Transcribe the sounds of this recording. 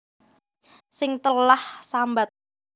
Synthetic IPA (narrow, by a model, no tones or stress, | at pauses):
sɪŋt̪əlahsambat̪̚